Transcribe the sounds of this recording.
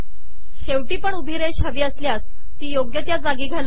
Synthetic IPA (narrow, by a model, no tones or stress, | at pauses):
ɕeʋʈiːpəɳubʱiɾeɕəʋiːəsljas | t̪iːjoɡjət̪jad͡zaɡiːɡʱal